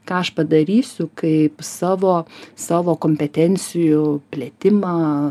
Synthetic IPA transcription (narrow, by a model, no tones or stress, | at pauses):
kɑːɐʃpɐd̪ɐɾʲiːsʲʊkɐɪpsɑːʋoːsɑːʋoːkoːmʲpʲɛt̪ʲɛnʲt͡s̪ʲɪjʊpʲlʲɛːt̪ʲɪmɑː